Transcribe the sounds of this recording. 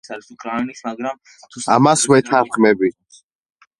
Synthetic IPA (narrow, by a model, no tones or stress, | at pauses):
saɾisukʼɾanismaɡɾamʰ | a̰masvɛt̪ʰanχmɛbi